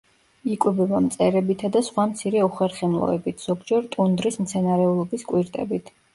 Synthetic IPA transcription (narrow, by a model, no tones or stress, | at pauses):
ikʼwɛbɛbamt̪sʼɛɾɛbit̪ʰad̪asχwamt̪sʰiɾɛɔχwɛɾχɛmlˠɔ̰ɛ̰bit̪ʰz̥ɔɡd͡ʒɛɾt̪ʼund̪ɾismt̪sʰɛnaɾɛulˠɔbiskʼwiɾt̪ʼɛ̰bit̪ʰ